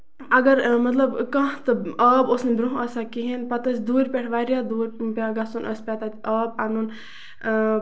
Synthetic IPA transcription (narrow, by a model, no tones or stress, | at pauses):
ɐɡəɾmɐt̪lɐbkɐ̃ɦt̪ɨɐːbʊsnebɾuɦɐsakiɦenpɐt̪ɐsd̪uːɾʲpʲeʈʰʋaːɾijad̪uːɾʲpʲaːɡɐsunʔɐspʲaːt̪aːt̪iʔɐːbanun